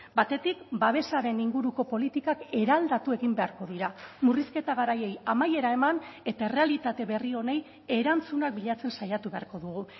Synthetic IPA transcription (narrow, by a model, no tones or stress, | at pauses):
bat̪e̞t̪ikbaβ̞e̞saɾe̞niŋɡuɾuko̞po̞lit̪ikake̞ɾald̪at̪ue̞ɣimbe̞aɾko̞ðiɾamuriske̞t̪aɣaɾaje̞jamaje̞ɾae̞mane̞t̪ae̞re̞alit̪at̪e̞βe̞rio̞ne̞j | e̞ɾant͡sunak̚biʎat͡se̞nsajat̪uβe̞a̰ɾko̞ðuɣu